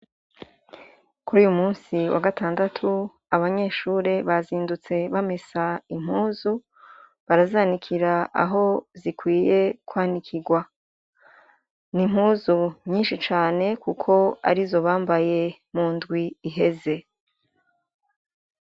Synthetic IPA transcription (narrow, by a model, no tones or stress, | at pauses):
kuɾuːjumuːnsiwʔa̰ɡataːndatʰu | aβaɲe̞ːʃuːɾe̞βaziːndut͡se̞βamesaim̥huːzu | βaɾazaːnikʰiɾaa̰ɦo̞zikwiːje̞kwaːnikʰiɡwa | nim̥huːzuɲiːnʃit͡ʃaːne̞kukʰo̞a̰ɾizo̞βaːmbaje̞muːndɡwiːɦe̞ze̞